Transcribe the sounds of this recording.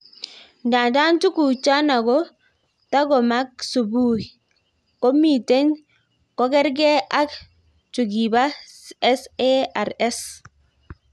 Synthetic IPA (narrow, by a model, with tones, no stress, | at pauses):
nda˨da˦ntu˦ku˨t͡ʃa˦na˨ɡɔ˦ | ta˦ɡɔ˨ma˦k̚su˨bu˦˨ | ko˦mi˦˨te˦n | kɔ˦kɛ˦ɾɡɛ˦ʔa˦k | t͡ʃu˨ɡi˨ba˦ɛ˦se˦a˨ɾɛ˦s